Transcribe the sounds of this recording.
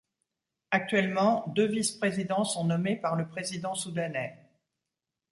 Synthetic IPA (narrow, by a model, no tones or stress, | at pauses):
ak̚t̪ɥɛlmɑ̃d̪øvispχezid̪ɑ̃sɔ̃nɔmepaʁləpχezid̪ɑ̃sud̪anɛ